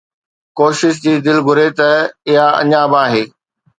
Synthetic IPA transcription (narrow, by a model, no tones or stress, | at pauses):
koːʃɪʃ̬d͡ʑiːd̪ɪlɡʱʊɾet̪ɐɪɦaɐ̰ɲãbãːɦeː